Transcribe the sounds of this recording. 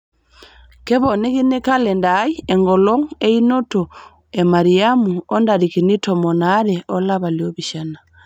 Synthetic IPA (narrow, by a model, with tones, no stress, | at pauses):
kɛ˦βɔ˨ne˦ki˦ne˦ka˦lɛ˨ndai˦ɛŋɡɔ˨lɔ˦ŋe˦i˦no˦to˨ | e˨ma˨ɾi˨a˦muɔ˦nda˨ɾi˨ki˨ni˦tɔ˨mɔ˨na˦ɾɛʔɔ˦la˦βa˨ljɔ˦βi˨ʃa˦na˨